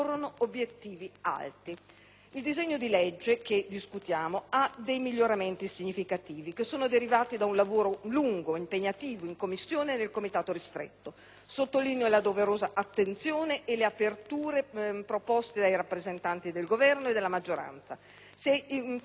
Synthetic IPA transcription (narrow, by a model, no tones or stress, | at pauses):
ronoobːjet̪ːiːvia̰lt̪i | ild̪izeɲːod̪ilɛd͡ʒːeked̪iskut̪jaːmoad̪ejmiʎːoɾament̪isiɲːifikat̪iːvikesːoːnod̪eɾivaːt̪id̪aunlavoːɾoluŋɡoimpeɲːat̪iːvoiŋkomːisːjoːnenelkomit̪aːt̪oɾist̪ɾḛt̪ːo | sot̪ːolinjolad̪oveɾoːzaʔat̪ːent̪sjoːneʔːleapert̪uːɾepɾopɔst̪ed̪ajɾapːɾezent̪ant̪id̪elɡovɛrnoed̪elːamad͡ʒːoɾa̰nt̪sa | se